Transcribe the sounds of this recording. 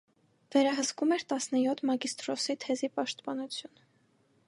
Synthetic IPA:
vɛɾɑɦəskumɛɾt̪ɑsnəjɔt̪ʰmɑɡist̪ɾɔsit̪ʰɛzipɑʃt̪pɑnut͡sʰjun

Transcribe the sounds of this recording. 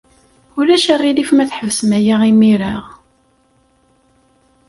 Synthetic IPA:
ʊlæʃərˤːilifmæθħəvəsmæjaʁimiɾaʁ

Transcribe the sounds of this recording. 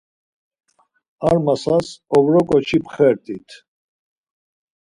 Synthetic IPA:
aɾmasasɔvɾɔkʼɔt͡ʃʰipʰχɛɾt̪ʼit̪ʰ

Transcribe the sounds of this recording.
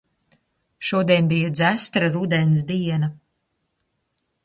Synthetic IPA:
ʃuɔd̪iɛnbijad̪zæst̪ɾaɾud̪ɛns̬d̪iɛnɐ

